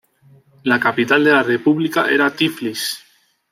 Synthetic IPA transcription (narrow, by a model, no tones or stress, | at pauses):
lakapit̪ald̪elarepuβlikaʔeɾat̪iflis